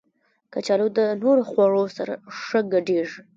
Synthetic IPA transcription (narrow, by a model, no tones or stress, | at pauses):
kat͡ʃɑlod̪ənoɾoxwɑɽosaɾa̰ʂəɡaɖeʐ